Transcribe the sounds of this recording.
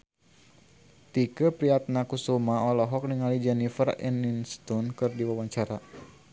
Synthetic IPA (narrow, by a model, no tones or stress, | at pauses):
t̪ikəpɾiat̪̚nakusumaɔlɔɦɔk̚niŋalid͡ʒɛnifərɛ̰ninst̪unkɨrdiwawaɲt͡ʃaɾa